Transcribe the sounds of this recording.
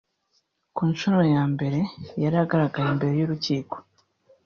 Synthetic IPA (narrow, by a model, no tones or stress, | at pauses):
kuːnʃonojaːmbe̞ɾe̞jaɾaɡaɾaɡajembe̞ɾe̞joɾuciːko̥